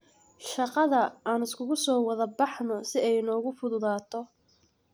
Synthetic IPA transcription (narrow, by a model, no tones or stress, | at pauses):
ʃɑqɑðɐaːnɪskʰʊɣʊsɔːwɐðɐbɑħnɔsɪɛjnɔːɣʊfʊðʊðaːt̪ʰɔ